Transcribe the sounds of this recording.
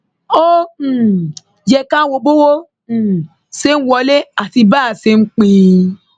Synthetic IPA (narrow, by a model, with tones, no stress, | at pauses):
o˦˨ | jɛ˧kã˦wo˧bo˦wo˦˨ | se˦n̩˦wɔ˧le˦a˨ti˧baː˦˨se˧ŋ͡m̩˦k͡pĩ˧